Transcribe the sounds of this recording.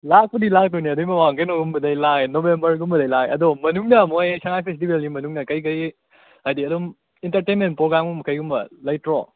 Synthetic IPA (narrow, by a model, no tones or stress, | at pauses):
lak̚pɐdilak̚towniɐdjmɐwaŋkejnoɡumbɐdɐjlaknobembɐɾɡumbɐdɐjlakɐ̰domɐnuŋnɐmojsɐŋajpʰesitibelɡimɐnuŋnɐkɐjk̬ɐj | ajdiɐdɔm | intɐɾtejnment̚pɾoɡɾamuŋmɐkɐjɡumbɐ̰lajtɾo̰